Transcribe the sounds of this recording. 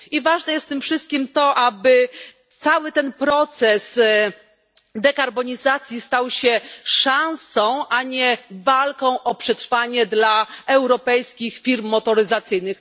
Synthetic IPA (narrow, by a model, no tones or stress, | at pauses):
ivaʐnɛjɛst̪t̪ɘmfʂɘst̪̚kʲimt̪ɔʔabɘ | t̪sawɘt̪ɛnpɾɔt̪sɛs | d̪ɛkaɾbɔɲizat̪sʲjist̪awɕɛʂãñsɔ̃w̃ʔaɲɛvalkɔ̃w̃ʔɔpʂɛt̪ɾfaɲɛd̪laɛwɾɔpɛjskʲixfʲiɾmːɔt̪ɔɾɘzat̪sɘjnɘx